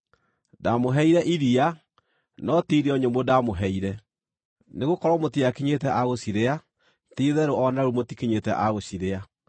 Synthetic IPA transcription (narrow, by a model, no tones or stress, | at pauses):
damoɦɛiɾɛʔiɾia | nɔtiɾeɔɲombodamoɦɛiɾɛ | neɣokɔɾɔmotiakiɲetɛʔaɣosiɾea | tiðɛɾoʔɔnaɾumotikeɲetɛʔaɣosiɾea